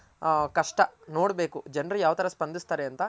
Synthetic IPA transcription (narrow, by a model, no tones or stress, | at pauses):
kɐʂʈɐno̞ːɽbe̞ːkud͡ʒɐnɾijaːʋɐt̪ɐɾɐspɐnd̪ist̪aːɾeɐnt̪ɐ